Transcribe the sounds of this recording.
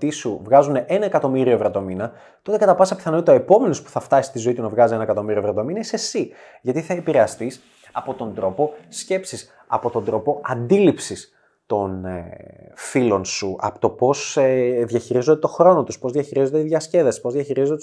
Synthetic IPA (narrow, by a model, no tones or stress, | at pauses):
t̪isuvɣɐzuneʔenɐekɐt̪o̞miɾio̞evɾɐt̪o̞minɐ | t̪o̞t̪e̞kɐt̪ɐpɐsɐpi̥θɐnoit̪oe̞po̞me̞nospu̥θɐft̪ɐsi̥st̪izo̞it̪unɐvɣɐzienɐekɐt̪o̞miɾio̞vɾɐt̪o̞minɐisesi | ʝɐt̪iθɐepiɾe̞ɐst̪is | ɐpo̞t̪o̞nd̪ɾo̞po̞sce̞psis | ɐ̰po̞t̪o̞nd̪ɾo̞po̞ɐnd̪ilipsis | t̪o̞nefilo̞nsuʔɐ̰pot̪o̞po̞seðʝɐçiɾizo̞t̪et̪o̞xɾo̞no̞t̪uspo̞zðʝɐçiɾizot̪eiðʝɐsce̞ðɐspo̞zðʝɐçiɾizo̞t̪